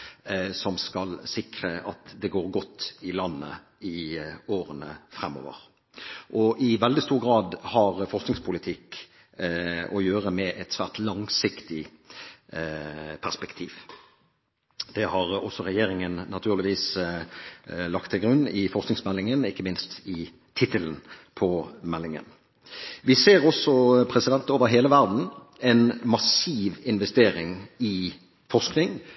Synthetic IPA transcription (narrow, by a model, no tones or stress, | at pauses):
sɔmskɑlsɪkɾəʔɑt̪d̪ɛɡoːɾɡɔt̪ːɪlɑnːə̰ | ɪoːʁənəfɾɛmːo̰ːʋə̰ʁ | ʔɔʔɪʋɛld̪ɪst̪uːɾʁɡɾɑːd̪hɑɾfɔsknɪŋspʰʊlɪt̪ʰɪk | ʔɔjøːɾəmɛʔɛt̪sʋæːʁt̪lɑŋsɪkt̪ɪ | pʰæʁspɛkt̪ʰiːʋ | d̪̥ɛhɑʁɔsːɔɾɛjeːɾɪŋənːɑt̪ʰʉːʁlɪʋiːs | lɑkt̪ʰːɪlɡɾʉnːɪfɔsknɪŋsmɛlːɪŋənɪkːəmɪnst̪ɪ | t̪ʰɪt̪ələnpʰɔmɛlːɪŋə̰n | ʋɪseːʁɔsɔpʰɾɛsɪd̪ɛnt̪oːʋəɾɦeːləʋæʁd̪n̩ | ɛnmɑsiːʋɪnʋɛst̪eːɾɪŋɪ | fɔʁsknɪŋ